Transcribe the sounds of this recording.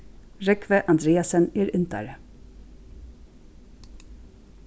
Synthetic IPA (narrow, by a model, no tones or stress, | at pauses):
ɹɛkʋəʔɑnd̪ɾeːɑsəneːɾʉnt̪æ̰ɾə